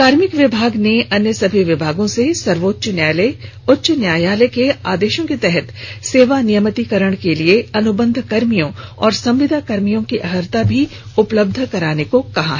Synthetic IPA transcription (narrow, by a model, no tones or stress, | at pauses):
kaːɾmɪkʋɪbʱaːɡneɐnjəsɐbʱiʋɪbʱaːɡõsesɐɾʋoːt̪ːʃnjaːle | ʊtːʃənjaːjaːlekeaːd̪eːʃõket̪ɛɦɛt̪seːʋanijəmət̪ikɐɾəɽ̃kelieɐnʊbə̃nd̪ʱkɐɾmijõɔːɾsɐ̃mʋɪd̪ʱakɐɾmijõkiʔɐɦəɾt̪abʱiʊpləb̚d̪ʱkɐɾaːnekokɐɦa̰ɦɛ